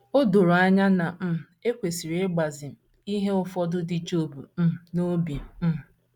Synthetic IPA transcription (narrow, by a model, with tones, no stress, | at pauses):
o˦do˨ɾo˨a˦ɲa˦na˨m̩˦˨e˦kʷe˨si˨ɾe˦ɡ͡ba˨zɪ˨m̩˨ | i˦ɦe˦ʊ˦fɔ˦dʊ˦dɪ˨d͡ʒo˦˨bṵ˨m̩˦˨no˦bi˨˦˨